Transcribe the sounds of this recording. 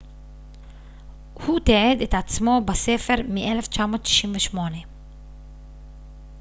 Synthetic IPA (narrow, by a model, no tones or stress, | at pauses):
hut̪eʕed̪et̪at͡smo̞base̞fe̞ʁmiʔe̞le̞ft͡ʃamo̞ːt̪ʃi̥ʃʔimveʃmo̞ne